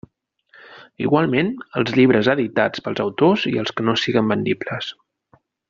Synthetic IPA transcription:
ḭɣwalˠmenəlˠzʎiβɾəzəðit̪at͡spəlˠzəwt̪oziəlˠskənosiɣəmbənd̪ibləs

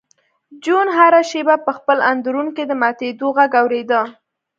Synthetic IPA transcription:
d͡ʒunɦaɾaʃebapəxpəland̪ɾunked̪əmat̪ed̪oɣaɡawɾed̪ə

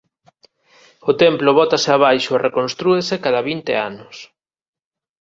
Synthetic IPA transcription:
ot̪ɛmploβɔt̪aseaβajʃʊerekonst̪ɾuesekaðaβint̪ḛanʊs

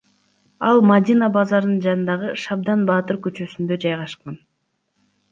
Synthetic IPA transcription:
ɑlˠmad̪ʲinabɑzɑɾɯnd͡ʒɑnɯnd̪ɑʁɯʃɑb̚d̪ɑnbɑːt̪ɯɾkyt͡ʃøsynd̪ø̞d͡ʒɑjʁɑʃqɑn

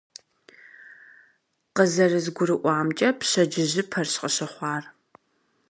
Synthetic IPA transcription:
qəzɐrɨzɡʷʊrɨʔʷɑːmt͡ʃʼɐpɕɐd͡ʒɪʑɪpʰɐrɕqʼəɕɨχʷɑːr

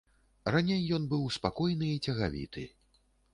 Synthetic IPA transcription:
ranʲejːɔnbɨwspakɔjnɨit͡sʲɐɣavʲḭt̪ɨ̰

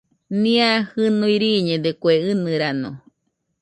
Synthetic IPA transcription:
nĩahɨnuiɾiɲed̪ekweɨnɨɾano̰

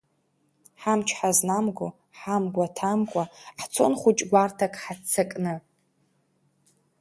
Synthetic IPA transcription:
ħamt͡ʃʰħaznamɡʷo | ħamɡʷatʰamkʷʼaħt͡sʰo̞̰nχʷʊt͡ʃʼɡʷartʰakʼħat͡sʰakʼnɨ

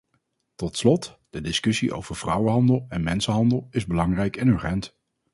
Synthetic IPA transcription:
tɔtslɔtd̥ədɪskɵsiʔo̰wv̥əɹv̥rʌwəɦɑndəlˠɛnmɛnsəɦɑndəlˠɪzbəlɑŋrɛjkɛnyɹχɛnt

